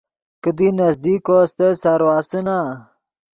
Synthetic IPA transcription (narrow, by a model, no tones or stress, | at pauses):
kəd̪inɐzd̪ikost̪esaɾwaːsəna